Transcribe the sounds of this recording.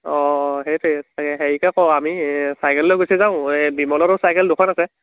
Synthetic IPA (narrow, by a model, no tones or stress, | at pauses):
ɔɦejtesakɛɦeɹikakɔwamisajkʰɛllɔɡojsɛzaʊ̃bimɔlɔɾɔsajkʰɛldukʰɔnasɛ